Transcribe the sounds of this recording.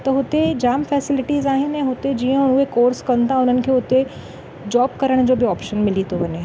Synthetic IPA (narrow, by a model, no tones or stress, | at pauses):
t̪ɐɦʊt̪ed͡ʑaːmfɛːsɪlɪʈizaːɦɪnɛ̃ɦʊt̪ed͡ʑiːə̃ʊɦekoːɾskɐnt̪ʰaʊn̤ənɪ̆kʰeːʊt̪e | d͡ʑɔːb̚kɐɾəɽ̃d͡ʑoːbiɔːpʃənmɪlit̪ʰoʋɐɲe